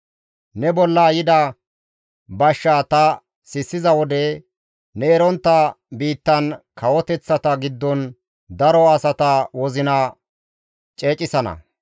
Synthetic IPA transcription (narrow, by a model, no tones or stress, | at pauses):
nɛbɔlːɐjɪd̪ɐ | bɐʃːaːt̪ɐ | sɪsːɪzɐwɔd̪ɛ | nɛːɾɔnt̪ːɐbiːt̪ːɐnkɐwɔt̪ɛt͡sːɐt̪ɐɡɪd̪ːɔn | d̪ɐɾɔɐsɐt̪ɐwɔzɪnɐ | t͡ʃʼe̞ːt͡ʃʼɪsɐnɐ̰